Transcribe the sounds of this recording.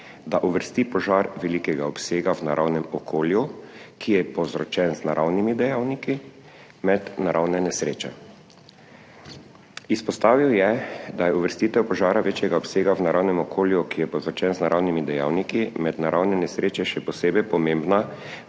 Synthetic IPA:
d̪aʔuʋəɾst̪ipɔʒaɾʋɛlikɛɡaɔpseːɡawnaɾʔawnɛmɔkʰoːljukʰijɛpɔzɾɔt͡ʃɛnznaɾʔawnimid̪ɛjawniki | mɛd̪naɾʔawnɛnɛsɾeːt͡ʃɛ | ispɔst̪aːʋiwjɛd̪ajɛuʋəɾst̪iːt̪ɛwpɔʒaːɾaʋeːt͡ʃjɛɡaɔpseːɡawnaɾʔawnɛmɔkʰoːljukijɛpɔzɾɔt͡ʃɛnznaɾʔawnimid̪ɛja̰ːwnikimɛd̪naɾʔawnɛnɛsɾeːt͡ʃɛʃɛpɔseːbɛjpɔmẽmbna

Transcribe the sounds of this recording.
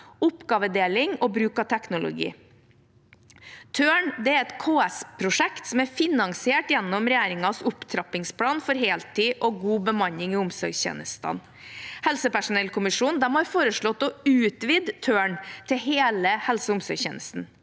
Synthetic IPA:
ʊpɡɑːʋəd̪eːlɪŋɔbɾʉːkɑt̪ʰɛknʊlʊ̰ɡḭː | t̪ʰøːɳd̪ɛæɾɛt̪kʰoːɛspʰɾʊʂɛkt̪sɔmæɾfɪnɑŋsɪeːʈjɛnːɔmɾɛjæːɾɪŋɑsʊpt̪ʰɾɑpɪŋspʰlɑːnfɔɾɦeːlt̪ʰiːʔɔɡuːbəmɑɲɪŋɪːʊmsɔɾɡçḛːnəst̪ɑ̰n | hɛlsəpæʂʊnɛlkʰʊmɪʂuːnd̪ɛmhɑɾfoːɾəʂɭɔt̪ːɔʉːt̪ʋiːd̪t̪ʰøːɳt̪ʰɪɦeːləhɛlsəʊmsɔɾçḛːnəst̪n̩

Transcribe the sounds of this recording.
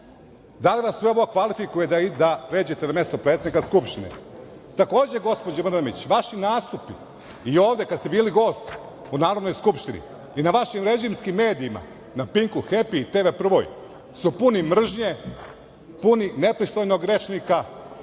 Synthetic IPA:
d̪aliʋasːʋe̞o̞ʋokʋalifikuje̞d̪aid̪apɾe̞ːd͡ʑe̞t̪ename̞st̪opɾe̞t̪ed̪ikaskupʃt̪inḛ | t̪ako̞ːd͡ʑe̞ɡo̞spod͡ʑamr̩namit͡ɕʋaʃinaːst̪upi | io̞ːʋd̪e̞kad̪st̪e̞biːliɡo̞ːst̪ | unaːɾod̪nojskupʃt̪inḭ | inaʋaʃimɾe̞ʒimskimːe̞ːd̪iːma̰ | napiŋkuxe̞piːt̪eːʋepr̩ʋo̰j | supunimr̩ʒɲe̞ | punine̞pɾist̪o̞jnoɡɾe̞t͡ʃnika

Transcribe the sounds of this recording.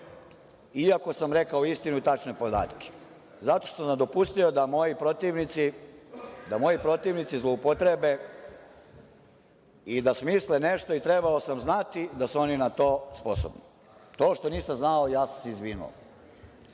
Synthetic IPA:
iako̞samɾekaoist̪inuit̪at͡ʃne̞po̞d̪a̰ːt̪ke̥ | zat̪o̞ʃt̪osamd̪o̞pust̪io̞d̪amojipɾot̪iʋnit̪si | d̪amo̞jipɾo̞t̪iʋnit̪sizlˠo̞upot̪ɾebe̞ | id̪asmislene̞ʃt̪o̞it̪ɾebaosamznat̪id̪asuo̞ninat̪o̞ːsposo̰bni | t̪o̞ːʃt̪o̞niːsamznao̞jaːsamseizʋiːnṵo̰

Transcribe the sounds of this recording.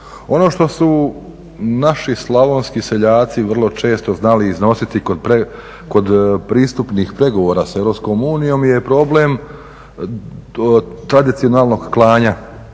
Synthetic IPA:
o̞no̞ʃt̪o̞su | naʃislˠaʋonskise̞ʎaːt̪siʋr̩lˠo̞t͡ʃe̞ːst̪oznaliːzno̞sit̪ikod̪pe | ko̞d̪pɾiːst̪upnixpɾe̞ɡoʋo̞ːɾaseɾo̞psko̞muːnijo̞mje̞pɾo̞ble̞m | t̪ɾad̪it̪sionaːlˠno̞ɡklˠaːɲa

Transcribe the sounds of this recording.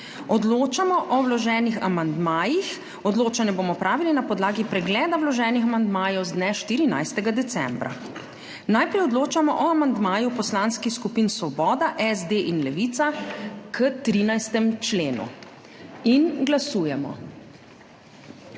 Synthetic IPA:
ɔd̪loːt͡ʃamɔʔɔwlɔʒɛːnixa̰mand̪maːjix | ɔd̪loːt͡ʃanɛbomɔpɾaːʋilinapɔd̪laːɡipɾɛɡlɛːd̪awlɔʒɛːnixamand̪maːjɔwzd̪nɛʃt̪iːɾina̰jst̪ɛɡad̪ɛt̪sɛ̰mbɾa̰ | najpɾɛjɔd̪loːt͡ʃamɔʔɔamand̪maːjupɔslaːnskixskupiːnsʋɔbɔːd̪aʔɛzd̪eʔinlɛʋit̪sakət̪ɾiːnajst̪ɛmt͡ʃleːnṵ | inɡlasuːjɛmɔ̰

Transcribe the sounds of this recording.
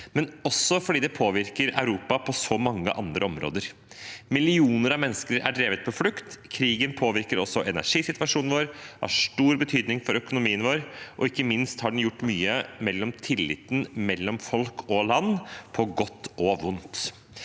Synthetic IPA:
mɛnɔsːɔfɔɖiːd̪ɛpʰoːʋɪɾkəɾɑ̰ʉɾuːpɑpʰɔsɔmɑŋːə̰ʔɑ̰nd̪ɾəɔmɾo̰ːd̪əɾ | mɪlɪuːnəɾɑʋmɛnːəskəɾæ̰ɖɾeːʋət̪̚pʰɔflʉkt̪kʰɾiːɡənpʰoːʋɪɾkəɾɔsːɔʔɛnæ̰ʂiːsɪt̪ʋɑʂuːnʋoːɾhɑ̰ʂʈuːɾbət̪ʰyːd̪nɪŋfɔɾœkʊnʊmiːənʋoːɾʔɔɪkːəmɪnst̪hɑɖɛn̩jʊʈːmyːəmɛlːɔmt̪ʰɪlːɪ̰t̪ːn̩mɛlːɔmfɔlkʰɔlɑnːpʰɔɡɔt̪ːɔʋʊnt̪

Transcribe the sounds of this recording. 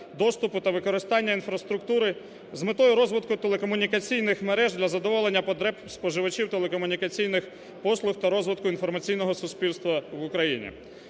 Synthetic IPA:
d̪ɔst̪ʊpʊt̪ɐʋɪkɔɾɪst̪ɑnʲːɐinfɾɐst̪ɾʊkt̪uɾɪ | zmɪt̪ɔjʊɾɔzʋɪt̪kʊt̪elˠekɔmʊnʲikɐt͡sʲijnɪxmeɾɛʒd̪lʲɐzɐd̪ɔʋɔlˠenʲːɐpɔd̪ɾɛ | spɔʒɪʋɐt͡ʃiwt̪elˠekɔmʊnʲikɐt͡sʲijnɪx | pɔslˠʊxt̪ɐɾɔzʋɪt̪kʊinfɔrmɐt͡sʲijnɔɦɔsʊspʲilst̪ʋɐʋʊkɾɐjinʲḭ

